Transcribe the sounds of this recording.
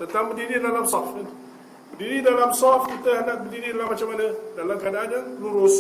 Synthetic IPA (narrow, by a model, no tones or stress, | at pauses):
t̪ənt̪aŋbədiɾidalamsɔfnən | bərdiɾidalamsɔfkit̪əɦandaʔbərdiɾidalamːat͡ʃamːanədalamkadaananluɾus